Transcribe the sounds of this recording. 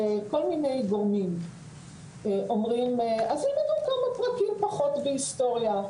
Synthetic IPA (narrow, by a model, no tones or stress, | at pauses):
ko̞lmine̞jɡoʁmim | eʔo̞mʁimeazimajukamapʁakimpaχo̞tvehist̪o̞ʁja